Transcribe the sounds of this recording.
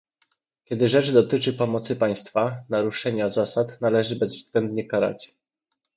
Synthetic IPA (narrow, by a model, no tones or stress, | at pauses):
kʲjɛd̪ɘʐɛt͡ʂd̪ɔt̪ɘt͡ʂɘpɔmɔt̪sɘpaj̃st̪fanaɾuʂɛɲazasat̪nalɛʐɘbɛzvzɡlɛnd̪ɲɛkaɾa̰t͡ɕ